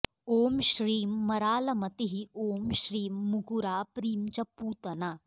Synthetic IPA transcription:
oːmʃɾiːmːɐɾaːlɐmɐt̪iɦioːmʃɾiːmːukuɾaːpɾiːmt͡ʃɐpuːt̪ɐnaː

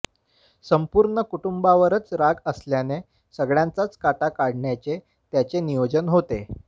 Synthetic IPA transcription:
səmpuɾɳəkuʈumbaʋəɾət͡sɾaɡəsljane | səɡɭjãnt͡sat͡skaʈakaɽɳjat͡se | t̪jat͡senijod͡ʑənɦot̪e

